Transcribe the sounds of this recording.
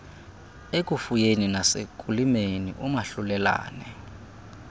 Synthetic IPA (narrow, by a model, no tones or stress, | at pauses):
ek̬ʼufujeninasḛkʼulimenḭʔumaɬulɛla̰ːnɛ